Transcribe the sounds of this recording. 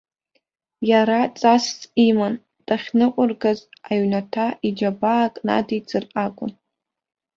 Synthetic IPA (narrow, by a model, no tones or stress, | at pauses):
jaɾat͡sʼast͡sʼiman | tʼaχʲnɨqʷʼʊrɡazaɥnatʰaʔid͡ʒabaːkʼna̰dit͡sʰɨrʔakʷʼʊ̰n